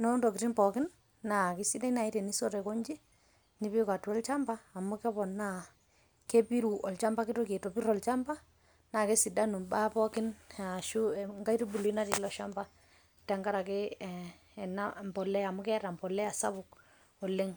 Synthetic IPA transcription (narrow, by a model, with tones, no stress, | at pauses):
nɔ˦ndɔ˨kɪti˦npɔ˨kɪ˦nː | a˨kɪ˦si˦da˦i˦na˨i˦tɛ˨ni˦sɔ˦ɾɛ˨kɔ˦ɲd͡ʒi˦ | ni˦pi˦ka˨tu˦ɔ˦lt͡ʃa˦mbaː˦˨mʊ˦kɛ˦βɔ˨na˦˨ | ke˦pi˦ɾu˨ʔɔ˨lt͡ʃa˦mba˦ki˦to˦ke˨tɔ˨pi˦ɾɔ˨lt͡ʃa˦mba˦ | na˨ke˦si˨da˦nu˨ba˦pɔ˦kɪ˦na˨ʃu˦ŋɡa˦i˦ti˦bu˨lu˨i˦na˦ti˨lɔ˦ʃa˦mba˦ | ta˨ŋɡa˦ɾa˨ke˦˨ | nambɔ˨lɛ˦a˨mʊ˦kɛ˦ɾa˨mbɔ˨lɛ˦a˨sa˦βʊ˨k | ɔ˨le˦ŋ